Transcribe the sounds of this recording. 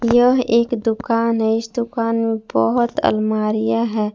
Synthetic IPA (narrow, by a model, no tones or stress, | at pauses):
jəɦeːkd̪ʊkaːnɦɛɪsd̪ʊkaːnmẽbə̰ɦʊt̪ə̰lmaːɾɪjaɦɛː